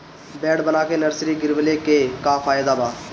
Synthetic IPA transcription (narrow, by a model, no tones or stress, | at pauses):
bɛːɽbənaːkeːnəɾsɾiːɡɪɾʋəleːkeːkaːpʰaːjd̪aːbaː